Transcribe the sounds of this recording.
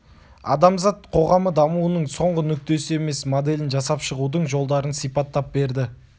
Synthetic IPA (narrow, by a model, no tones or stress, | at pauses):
ɑ̰d̪ɑmzɑt̪qʰo̞ʁɑməd̪ɑmuwənəɴso̞ɴʁənʏk̚t̪e̞sɪe̞me̞smod̪e̞lɪnʒɑsɑpʃəʁud̪əɴʒo̞lˠd̪ɑɾənsijpɑt̪ːɑp̚be̞ɾd̪ɪ